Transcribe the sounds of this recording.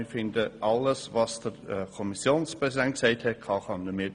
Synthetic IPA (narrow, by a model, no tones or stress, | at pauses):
ɪfɪndəʔɑləsvɑsd̥əɾkʰɔmisjoːnspʁ̥ɛsidɛnt̚ksɛɪthɛt̚kʰɑχɑnəmɪ